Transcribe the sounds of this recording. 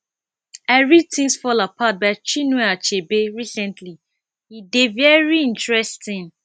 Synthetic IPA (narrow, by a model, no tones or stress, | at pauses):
ɛɹitʰĩŋsfɔlapʰat̚baɪt͡ʃinweat͡ʃebeɹisɛ̃ntʰli | hidevɛɹiĩntɹɛstĩn